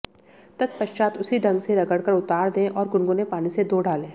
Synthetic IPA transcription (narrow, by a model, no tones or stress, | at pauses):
t̪ɐt̪̚pɐʃt͡ʃaːt̪ʊsiɖɐ̃ŋɡseɾɐɡəɽkəɾʊt̪aːɾd̪ẽːʔɔːɾɡʊɳɡõnepaːnised̪oːɖʱaːlẽː